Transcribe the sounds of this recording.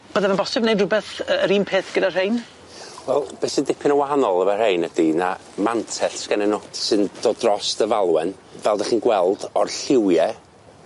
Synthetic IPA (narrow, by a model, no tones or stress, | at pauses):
b̥əːðɛmanbɔsɛbnejdrʊbɛθəəɾiːmpʰeːθɡ̥ədar̥ejn | wɛlˠb̥eːsəndɪpʰɪnəwahanɔlˠəvar̥ejnədina | mantʰɛɬsɡ̥anɛnod̥sɨnd̥oːdrɔstəvalˠwɛn | vɛlˠdaχiːnɡwɛlˠd̥ɔrɬɪwjɛ